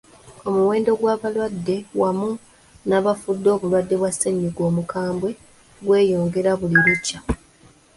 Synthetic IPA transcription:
o̞muwe̞ːndo̞ɡwaːβalwadːe̞wamu | naβafudːo̞ːβulwadːe̞βwasːeɲːiɡo̞ːmukaːmbwe̞ | ɡwe̞ːjo̞ːŋɡe̞ɾaβuliɾecːa

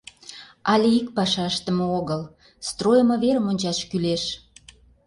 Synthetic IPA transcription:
ɑlʲeik̚pɑʃɑəʃt̪əməoɣəl | st̪rojəmɤ̆βeɾəmonʲt͡ɕɑʃkyleʃ

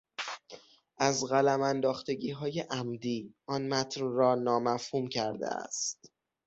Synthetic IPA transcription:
ʔæzɣælæmænd̪ɒːxt̪e̞ɟiːɦɒːje̞ʔæmd̪iːʔɒnmæt̪ʰnrɒːnɒːmæfhuːmcʰæɾd̪ḛæ̰st̪

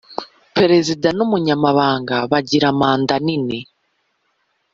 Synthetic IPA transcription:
peɾe̞zidanomuɲamaβaːŋɡaβaɟiɾamaːndanine

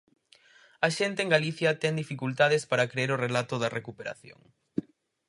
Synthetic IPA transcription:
ɐʃent̪eːŋɡaliθjɐt̪ɛŋd̪ifikult̪að̞espaɾɐkɾeeɾʊrelat̪ʊðɐrekupeɾa̰θjo̰ŋ

